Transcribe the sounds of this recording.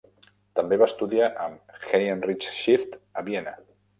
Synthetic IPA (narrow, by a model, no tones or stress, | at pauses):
t̪əmbeβast̪uðiaʔəmxejənrit͡ʃʃift̪əβiɛnə